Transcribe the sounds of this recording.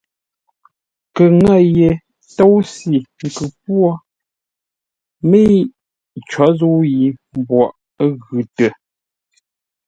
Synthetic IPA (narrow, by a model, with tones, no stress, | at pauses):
kə˨ŋə˦˨je˨ | to˦wsi˨ŋ̩˨kʉ˨pwɔ˦ | me˦i˦ | t͡ʃɔ˨˦zu˦ji˨m˨bwɔ˨ʔ | ɣʉ˨tə˨